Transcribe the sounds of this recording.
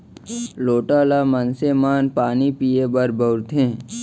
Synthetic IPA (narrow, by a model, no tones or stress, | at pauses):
loːʈaːlaːmənsemaːnpaːnipiːebəɾbəɾt̪ʰẽː